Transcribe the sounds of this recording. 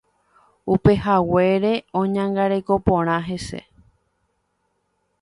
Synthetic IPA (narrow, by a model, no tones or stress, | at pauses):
upe̞ɦawe̞ɾeõɲãŋɡaɾe̞ko̞põɾ̃ãɦe̞se̞̰